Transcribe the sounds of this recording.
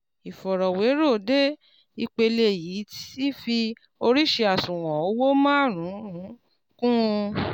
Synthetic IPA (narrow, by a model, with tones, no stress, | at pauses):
i˨fɔ˨ɾɔ˨we˨˦ɾo˦˨de˦ | i˧k͡pe˧le˦˨jiː˨˦ti˦fi˧ | o˧ɾi˦ʃe˧a˨sũ˨w̃ɔ̃˨o˦wo˦mãː˦˨ɾ̃ũ˨˦ɾũ˨˦ | kũ˦˧